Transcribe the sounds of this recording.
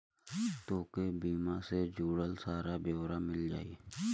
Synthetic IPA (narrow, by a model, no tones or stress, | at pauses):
t̪oːkebiːmased͡ʒuːɽəlsaːɾabjoːwɾamɪld͡ʒa̰ːie